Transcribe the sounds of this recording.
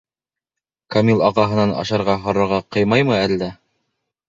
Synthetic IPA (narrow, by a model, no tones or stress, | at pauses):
kamilˠɑʁɑɦɤ̆nɑnɑ̰ʃɑɾʁɑɦŏɾɤ̆ɾʁɑqɤjmɑjmɤæld̪æ